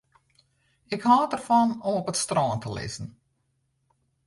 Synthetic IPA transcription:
ɪkhɑːtərfɑnɔmɔpətstrɑːntəlɪ̰zən̩

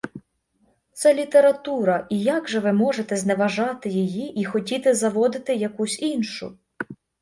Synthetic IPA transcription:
t̪sɛlʲit̪e̞ɾɐt̪uɾɐʔijɑɡʒɛʋɪmɔʒet̪ɛzneʋɐʒɑt̪ɪjejiʔixɔtʲit̪ɪzɐʋɔd̪ɪt̪ɪjɐkusʲinʃʊ̰

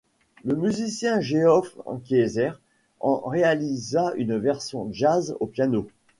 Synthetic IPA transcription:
ləmyzisjɛ̃ʒeɔfkʲezɛʁ | ɑ̰̃ʁealizaynvɛʁsjɔ̃ʒazopjano

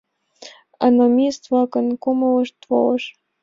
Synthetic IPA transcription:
ɑ̰nomʲist̪vlˠɑkɤnkomɤlɤ̆ʃt̪vo̰lɤʃ

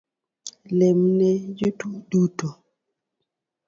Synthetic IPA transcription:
lɛmnɛjutuɗuto

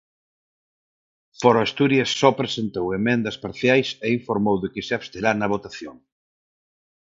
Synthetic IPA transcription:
foɾoast̪uɾjɐsːɔpɾesent̪owemẽnd̪ɐspaɾθjajseiɱfoɾmowðɪkɪsɪaβst̪eɾanɐβ̞ot̪aθjoŋ

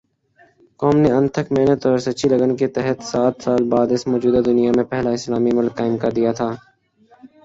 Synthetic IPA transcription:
kɔːmneɐ̃nt̪ʰəkmeːnət̪ɔːɾsɐʃʰiləɡənket̪ɛɦət̪saːt̪saːlbaːd̪ɪsmɔːd͡ʒuːd̪ad̪ʊnijamẽpɛɦlaɪslaːmimʊlkːaːɪmkɐɾd̪ijat̪ʰaː

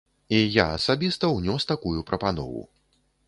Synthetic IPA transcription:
ijaɐsabʲist̪ɐwnʲɔst̪akujupɾɐpanɔ̰vṵ

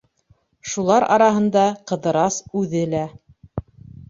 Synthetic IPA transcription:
ʃulˠɑɾɑ̰ɾɑɦɤ̆nd̪ɑqɤ̆ðɤ̆ɾɑsʉðɘlæ

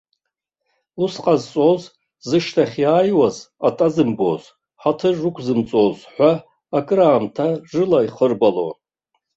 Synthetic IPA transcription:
lusqʼazt͡sʼoz | zɨʂtʰaχʲjaːjwaz | atʼazɨmbo̰z | ħatʰɨʐɨkʷʰzɨmt͡sʼozħʷaː | kʼraːmtʰaʐɨlaiχərbalo̰

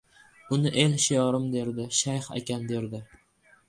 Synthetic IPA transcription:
ʊnɪʔe̞lʃɪjɒɾɪmd̪e̞ɾd̪ɪʃajχa̰kʲand̪e̞ɾd̪ɪ

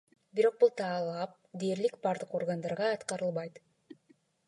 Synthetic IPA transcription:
biɾo̞q̚bulˠt̪ʰɑːlˠɑp̚d̪e̞ːɾlikbɑɾd̪ɯqo̞rɡand̪ɑɾʁɑːt̪qɑɾɯlˠβɑjt̪

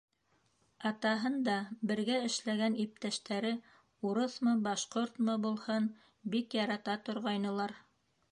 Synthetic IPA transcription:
ɑt̪ɑɦɤnd̪ɑbɘ̆ɾɡæɘ̆ʃlæɡænip̚t̪æʃt̪æɾɘ | uɾɤθmɤbɑʃqoɾt̪mɤbulˠhɤn | bikjɑɾɑt̪ɑt̪ŏɾʁɑjnɤ̆lˠɑɾ

